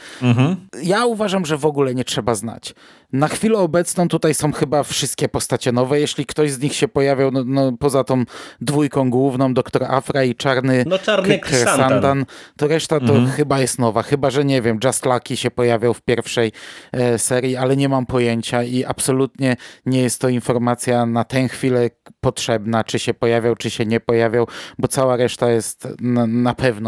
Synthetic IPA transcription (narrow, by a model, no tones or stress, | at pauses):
jauvaʐamʐɛvɔɡulɛɲɛtʂɛbazna̰t͡ɕ | naxfʲilɛɔbɛt̪snɔ̃w̃t̪ut̪ajsɔ̃w̃xɘbafʂɨst̪̚kʲɛpɔst̪at͡ɕɛnɔvɛjɛɕlʲikt̪ɔʑzɲixɕɛpɔjavʲjawnnɔpɔzat̪ɔ̃w̃d̪vujkɔ̃w̃ɡwuvnɔ̃w̃d̪ɔkt̪ɔɾa̰fɾait͡ʂaɾnɘaɾand̪ant̪ɔɾɛʂt̪at̪ɔxɘbajɛst̪nɔvaxɘbaʐɛɲɛvʲjɛmd͡ʐast̪lakʲiɕɛpɔjavʲjawfpʲjɛɾfʂɛjsɛɾʲjialɛɲɛmampɔjeɲt͡ɕaiʔapsɔlut̪ɲɛɲɛjɛst̪ːɔinfɔɾmat̪sʲjanat̪ɛ̃w̃xfʲilɛpɔtʂɛbnat͡ʂɘɕɛpɔjavʲjawt͡ʂɘɕɛɲɛpɔjavʲjawbɔt̪sawaɾɛʂt̪ajɛst̪napɛvnɔ